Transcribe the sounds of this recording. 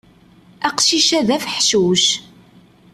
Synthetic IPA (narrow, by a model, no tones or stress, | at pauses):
æqʃiʃæðæfħʃuʃ